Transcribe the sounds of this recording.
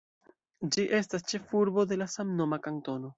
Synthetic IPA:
d͡ʒiʔe̞stast͡ʃe̞fuɾbo̞de̞lasamno̞makanto̞no̞

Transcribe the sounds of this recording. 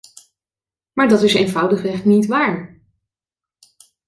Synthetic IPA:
maːɹdɑtɪsejnvʌwdəχrɛχtnitʋaːɹ

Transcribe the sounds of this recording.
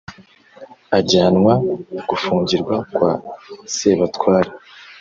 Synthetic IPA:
aɟaːnŋwaɡ̥ufuːɲɟiɾɡwakwaseβatkwaːɾa

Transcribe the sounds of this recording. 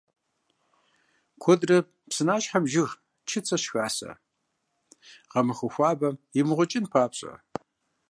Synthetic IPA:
kʷʰɔdrɐ | psɨnaːʃħamʒɪʁ | t͡ʃʰɪt͡sʰɐɕxaːsɐ̰ | ʁɐmɨχɨxʷɑːbɐɪmɨʁʷʊt͡ʃʼɪnpʰaːpɕʼɐ̰

